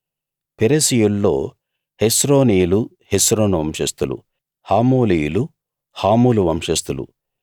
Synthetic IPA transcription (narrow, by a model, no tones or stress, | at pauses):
peɾesijulːo̞̰ː | hesɾo̞ːniːulu | hesɾo̞ːnuʋɐmʂɐst̪ulṵ | haːmoːlijulu | haːmuːluʋɐmʂɐst̪ulṵ